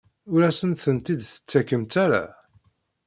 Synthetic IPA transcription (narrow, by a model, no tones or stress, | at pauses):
ʊɾæsənθənt̪id̪θə̥t͡sːækəmt̪aɾa̰